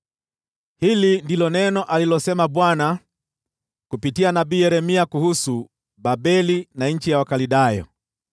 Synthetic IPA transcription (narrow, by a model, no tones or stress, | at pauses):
hilindilɔnɛnɔʔalilɔsɛmabwana | kupitianabiːjɛɾɛmiakuhusu | babɛlinaɲ̩t͡ʃijawakalidajɔ̰